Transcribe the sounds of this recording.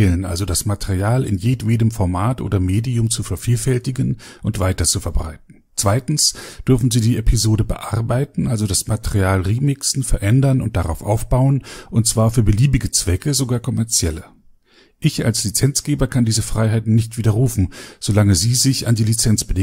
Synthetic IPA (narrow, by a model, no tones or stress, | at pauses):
lənʔa̰lzodasmatʰeʁiaːlɪ̰njeːtveːdəmfɔɐmaːtʔo̰ːdɐmeːdiʊmt͡sufɛɐfiːlfɛltɪɡənʔʊntv̥aɪtɐt͡sufɛɐbʁa̰ɪt̚n̩ | t͡sv̥aɪtn̩sd̥ʏɐfn̩ziːdiːepʰizoːdəbə̰ʔa̰ʁbaɪtn̩ʔalzodasmatʰeʁiaːlʁiːmɪksn̩fɛɐʔɛndɐnʊnt̚d̥aʁaʊfʔa̰ʊfb̥aʊənʔʊnt̚t͡sv̥aːɐfyːɐbəliːbɪɡət͡sv̥ɛkəzoɡaːɐkʰɔmɛɐt͡sjɛlə | ʔɪça̰lslit͡sɛnt͡sɡ̥eːbɐkʰandiːzəfʁ̥aɪɦaɪtn̩ːɪçtv̥iːdɐʁ̞uːfn̩z̥olaŋəziːzɪça̰ndiːlit͡sɛnt͡sb̥ədɪ